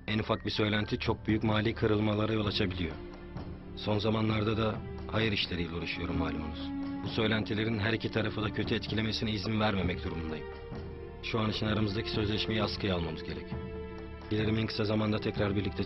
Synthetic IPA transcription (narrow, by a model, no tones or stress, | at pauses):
ænufak̚bisø̞jlʲænt̪ʰit͡ʃʰo̞k̚byjycmaːlʲiːkʰɯɾɯlˠmalˠaɾajo̞lˠat͡ʃʰabilʲijo̞̰ | so̞nzamanlˠaɾd̪ad̪a | hajɯɾiʃlʲe̞ɾijlʲɛuɾˠuʃujo̞ɾumːaːlʲumo̰muz̥busø̞jlʲænt̪ʰilʲe̞ɾinɦæɾicʰit̪ʰaɾafɯd̪acʰøt̪ʰyɛt̪cʰilʲe̞me̞sinɛizimvæɾme̞mɛcd̪uɾumund̪ajɯm | ʃuanit͡ʃinaɾamɯzd̪acʰi̥sø̞zlʲɛʃme̞jiaskʰɯjalˠmamɯzɟe̞ɾɛc | ɟilʲeɾiminkʰɯ̥sazamand̪at̪ʰɛcɾaɾbiɾlʲic̚t̪ʰɛ